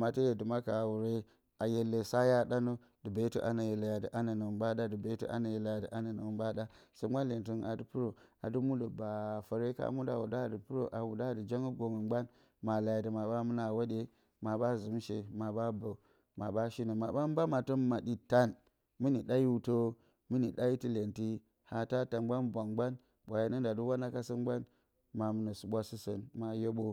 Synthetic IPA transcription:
ma˨tə˦je˨di˨ma˦ka˨wu˨ɾe˦ | a˨je˨lːe˨sa˦ja˦ɗa˦no˦ | d̥i˨be˨˦tu˦ʔa˨na˨je˨la˨ja˨di˨ʔa˦na˨nə˨ba˦da˦di˨be˨˦tu˦ʔa̰˦na˨je˨la˨ja˨də˨ʔa˦na˨nə˨ba˦ɗa˦sə˦a˦le˨nti˦na˨di˨pu˦ɾo˨a̰˨du˦mu˦lo˨ba˨fə˨ɾe˦ka̰˦mu˦da̰˨wu˨da˦˨də˨pu˦ɾo̰˨ʔa˨wu˨da˦˨di˨d͡ʒa˦ŋə˦ɡo˨ŋə˨ɡ͡ba˦n | ma˨la˨ja˨də˨ma˨ɓa˦mu˦na˨wo˦ɗe˦ | ma˨ɓa˦zu˨˦m˦ʃe˨ma˨ɓa˦bə˨ | ma˨ɓa˦ʃi˦nə˨ma˨ɓa˦m˦ba˦ma˨to˦ma˨ɗi˨ta˦n | mi˦ni˨ɗa˦i˦u˨to˦ | mɨ˦ni˨ɗa˦i˦ti˦le˨nti˦ | ha˨ta˦ta˨nɡ͡ba˦nbʷa˨ŋɡ͡ba˦n | ɓʷa˨je˦nə˦nda˨du˦wa˦na˦ka˦sə˦nɡ͡ba˦n | ma˨mɨ˨na˨su˨ɓʷa˦si˦sə˨nma˨je˦ɓo˦

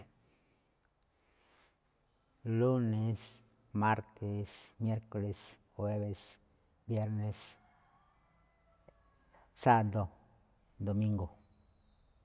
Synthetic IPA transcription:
lu˦ne˧s | ma˦ɾt̪ʰe˧smje˦ɾko˨le˨s | xwe˦βe˧s | bje˦ɾne˧s | sa˦d̪o˨ | d̪o˨mĩ˦ŋɡo˨

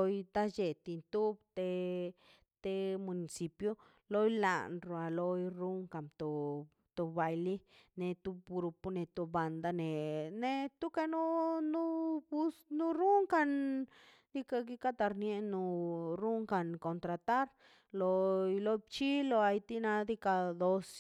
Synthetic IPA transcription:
o˧jt̪a˦d͡ʒe˨t̪i˧nt̪u˦bt̪e˧ | t̪e˦mu˨ni˨si˨pjo˦ | lo˦jla̰˨nɾo˨a˨lo˧jɾu˦ŋka˨mt̪o˨ | t̪u˧ba˧jli˦ne˧t̪u˧bɡɾu˧pu˦ne˨t̪u˧ba˨nd̪a˧ne˨ne˧t̪u˦ka˧nu˦nu˦bu˦snu˦ɾu˦ŋka˧n | d̪̥i˦ka˧ɡi˦ka˦t̪a˧ɾnje˦˧nu˧ɾu˦ŋka˧nko˨nt̪ɾa˨˧t̪a˦ɾ | lo˧jlo˦jbt͡ʃi˦lo˧a˧jt̪i˦na˧d̪i˦ka˧d̪o˧s

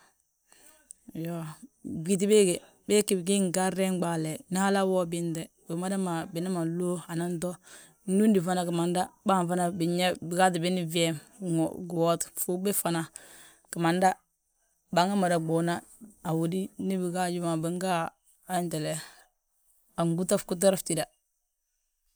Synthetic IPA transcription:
jo˦˨bɡi˨t̬i˦be˦ɡe˨ | be˦ki˨bɡi˦ŋ˨ɡa˦ɾɛ˦ŋ˦ɡ͡ba˨lɛ˨na˦ha˦la˦wɔ˦bɪ˦ndɛ˨ | bɪ˨˦ma˦da˦ma˨bɪ˨na˦ma˨lo˦a˨na˦ntɔ˦ | nu˦ndi˨fa˦na˨ka˨ma˨nda˦ba˦ɱ˨fa˦na˨bi˨ɲɛ˦bɪ˨ka˦t̬ɪ˨bɪ˦ni˦vi˦ɛ˦mŋ̰˨ɡu˨wɔ˦tfu˦be˦fa˨na˨ | ka˨ma˨nda˦ | ba˨˦ŋa˦ma˨da˨ɡ͡bo˨na˦a˨wo˨di˦ni˦bi˨ɡa˦d͡ʒu˦ma˨bi˨˦ŋɡaː˦ | nte˨lɛ˨ | a˨ŋɡu˦ta˦fku˦t̬ɔ˦ɾa˦fti˦˨da˨

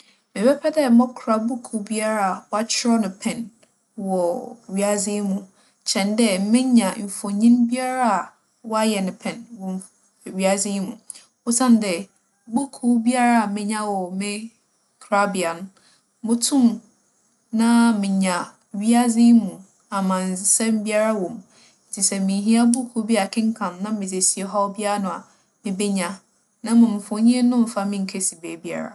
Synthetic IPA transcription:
mɪ̃˨bɛ˦pʰɛ˦dɛ˦mɔ˦bkʰɾa˨bu˦kʰu˨bi˦a˦ɾa˦a˨wɔ˦a˦t͡ɕʰɪ˦ɾɔ˦nʊ̃˨pʰɛ̃˨n | wɔ˨ɥi˨a˦zi˦mũ˦ | t͡ɕʰɛ̃˨ndɛ˦m̩˦mɪ̃˦ɲã˨m̩˨fɔ˨ɲĩ˦nbi˦a˦ɾa˦a˨ | wɔ˦a˦jɛ˨nɪ̃˨pʰɛ̃˨nwɔ̃˦m˨ | ɥi˦a˨zi˦mṵ̃˨ | ʊ˦sã˦n˦dɛ˨ | ɡ͡bu˦kʰu˦bi˦a˦ɾa˦a˨mɪ̃˨ɲã˦wɔ˨mɪ̃˦ | kʰɾa˦bi˨a˨n˦ | mʊ̃˦tʰũ˦m | nã˦mɪ̃˨ɲã˨ | ɥi˦a˦zi˦mũ˨ | a˨mã˨n˨sɛ˦m˦bi˦a˦ɾa˦wɔ̃˨m | n̩˨tʰi˨sɛ˦˨mɪ̃˨ɦĩ˦a˦bu˦kʰu˦bi˦a˦˨a˨kʰɪ̃˦ŋ˦kʰã˨mnã˦mɪ̃˨d͡ze˨si˨e˨˦ɦɔ˦bi˦a˦ɾa˦nʊ̃˨a˨ | mɪ̃˨be˦ɲã˨ | nã˦mʊ̃˨m˨fʊ̃˨˦ɲĩ˦e˦nʊ̃˦m̩˨fa˦mɪ̃˦ŋ̩˨kʰɛ˦si˨beː˨bi˦a̰˦ɾa̰˨

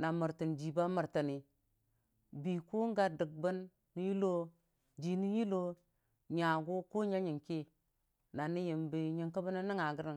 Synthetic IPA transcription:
na˨mə˨ɾti˨nd͡ʒi˨ba˦mə˨ɾtə˨ni˨ | bi˨ko˦ŋ˦ɡa˦də˨ɡ̚bə˦nː | i˨˦ji˦lo˦ | d͡ʒi˨ni˦ji˦lo˦ | ɲa˨ɡu˦ko˦ɲa˦ɲi˨ŋki˦ | na˨ni˦jə˨mbi˨ɲi˨ŋka˦bə˦na˦ni˦ŋa˨ɡə˦ɾi˨ŋ

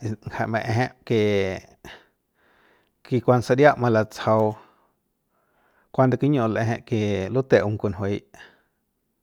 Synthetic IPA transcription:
ŋha˨ʔmẽ˧ʔẽ˧ɦẽ˦ʔke˧˨ | ki˧kʷa˧nsa˧ɾja˦ʔmã˧la˧t͡sha˧w | kʷa˦nd̪a˧ki˦ɲõ˧˨lʔẽ˧ẽ˧˦ʔke˨lu˦t̪e˧ʔu˧ŋ˨ku˧nɦwe˨˧˦jʔ

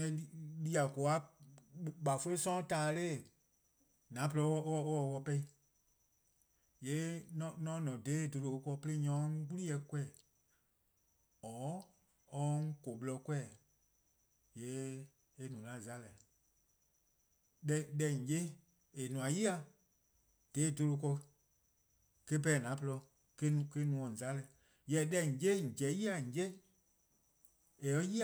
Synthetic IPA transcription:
ɛ˧lli˦a˨ko˨a˦ | ɓa˨fo˦le˦sɔ̃˦taː˨˦le˦˨ | nã˨˦p̬ə˧lɔ˧˦ɔ˧˦ɔ˧˦wɔ˧˨˧wɔ˧pɛ˧i˧ | jɛ˨˦nɔ̃˧nɔ̃˦nɔ̃˨deː˨˦˨do˧lo˨˧˦kɔ˧˦pe˧le˦ɲɔ̃˨˦ŋ˦k͡pu˦li˦ɛ˧kwɛ˦˨ | ɔː˨˦ | ɔ˦ŋ̩˦ko˨ɓlɔ˧kwɛ˦˨ | jɛː˨˦ | e˧˨nũ˨lã˨˦˨za˦lɛ˨ | ɗɛ˧ɗɛ˧˨ŋ̩˨d͡ʒe˦ | e˨nũ˨ã˨ji˦a˨˧ | d̥e˨˦˨do˧lo˧kɔ˧ | ke˦b̬ɛː˨nã˨˦pə˧lɔ˧ | ke˦nũ˧˨ke˧˦nũ˨ɔ̃˨za˦lɛ˨ | jɛ˧˦ɗɛ˧˨ŋ̩˨d͡ʒe˦˨d͡ʒɛ˨˦ji˦a˨ŋ̩˨d͡ʒe˦ | e˨ɔ˦ji˦˨

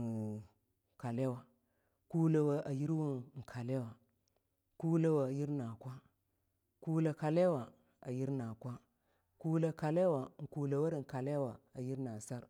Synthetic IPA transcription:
ka˨le˦wa˨ | ku˦la˨wa˦ʔa˨ji˦ɾwu˦˨ŋ̩˨kʰa˨le˦wa˨ | ku˦le˦wa˨ji˦ɾna˨kʷa˦ | ku˦la˨ka˨le˦wa˨ | a̰˨ji˦ɾna˨kʷa˦ | ku˦la˨ka˨le˦wa˨ŋ̩˨ku˨la˨wa˦ɾŋ̩˨ka˨le˦wa˨a˨ji˦ɾna˨sa˦ɾ

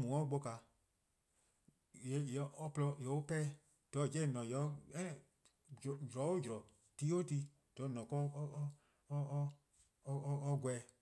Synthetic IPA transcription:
mũ˨ɔ̃˦ɡ͡bo˧ka˨ | je˨˦jɛ˨ɔ˦plɔ˧jɛ˨o˦pɛː˦ | d̥ɔ˨˦˨d͡ʒɛ̃˦ĩ˦˨nɔ̃˨jɛ˨˦ɛ̃˦˨ | d͡ʒɾɔ˨˦o˦d͡ʒɾɔ˨ | ti˦o˦ti˧˦ | d̥ɔ˨˦˨nɔ̃˨kɔ˦˧ | ɔ˦ɡwɛ˨

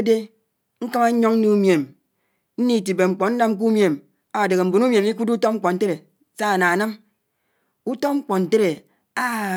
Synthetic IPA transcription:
e˦de˦ | ŋ̩˦ka˦ma˦ɲ̩˦ɲo˦ŋn̩˦nu˦mje˨m | n̩˦ni˦˨ti˨be˨ŋ͡m̩˨k͡pɔ˨n̩˦na˦mk̬u˦mje˨m | a˨de˨ɣe˨m̩˨bo˨nu˦mje˨mi˦ku˦du˦to˦ŋ͡m̩˦k͡pɔ˨n̩˦te˦ɾe˨ | sa˦a˨na˨a˨na˦m | u˦to˦ŋ͡m̩˦k͡pɔ˨n̩˨te˦ɾe˨ | a˦

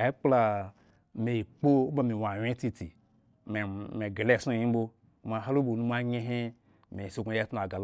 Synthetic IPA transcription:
e˦k͡pla˧ | me˨i˨k͡po˦ba˨mi˨wa˨wʲe˦ti˧ti˨ | m˨me˨ɡe˨le˦˨su˦˨i˦bo˦ | ma˨ɦa˦lo˦bo˨nu˦m˦a˦ɲe˦ɦe˦ | me˨so˦ɡʷu˨˦je˦tu˨a˨ɡa˨l

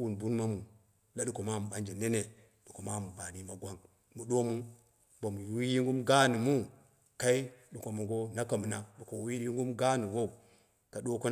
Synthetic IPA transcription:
wu˨nbu˦nma˦mu˨ | la˦ɗu˨ko˨ma˦m˨ba˨nd͡ʒe˨ne˦ne˨ | du˨ko˨ma˦m˨ba˨ni˦ma˨ɡʷa˦ŋ | mu˨ɗo˦mu˦ | bo˨m˨˦i˦ji˦ŋɡu˦mɡa˦ni˨mu˦ | ka˦i˦ɗu˨ko˨mu˨ɡo˦na˦ka˨mu˨na˦ɗu˨ko˨wi˦i˦ŋ˦ɡu˦mɡa˦ni˨ɡo˦u˨ | ka˨ɗo˦ko˦n˦

